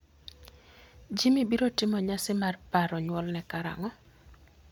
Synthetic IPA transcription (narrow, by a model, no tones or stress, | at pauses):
d͡ʒimibiɾotɪmɔɲasɪmarpaɾɔɲwɔlnɛkaɾa̰ŋɔ